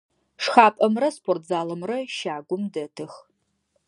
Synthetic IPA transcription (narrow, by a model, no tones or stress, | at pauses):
ʂxaːpʼɐmrɐspʰortʰzaːlɐmrɐʃaːɡʷʊmdɐtʰɨx